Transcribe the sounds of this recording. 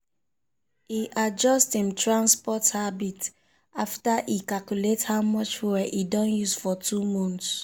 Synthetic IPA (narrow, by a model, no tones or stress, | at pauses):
iʔad͡ʒɔsthĩmtɹãnspɔthabit | aftaʔikakjulethaʊmɔt͡ʃwɛʔidɔ̃njuzfɔtʰumɔ̃nts